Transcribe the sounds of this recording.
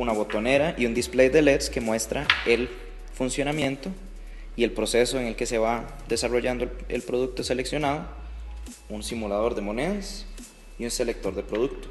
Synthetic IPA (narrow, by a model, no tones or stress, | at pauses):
unaβo̞t̪o̞ne̞ɾaʔiund̪isplejd̪elet̪ske̞mwe̞st̪ɾae̞l | funsjo̞namje̞nt̪o | ie̞lpɾo̞se̞so̞eŋe̞lke̞se̞βa | d̪e̞saro̞ʝand̪oeḛlpɾo̞ð̞uk̚t̪o̞sele̞ksjo̞nað̞o | unsimulað̞o̞ɾd̪e̞mo̞neðas | iunse̞le̞k̚t̪o̞ɾd̪e̞pɾo̞ðuk̚t̪o̥